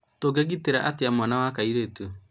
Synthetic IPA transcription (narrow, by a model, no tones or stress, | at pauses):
toɡeɡiteɾaʔateamwanawakaiɾetu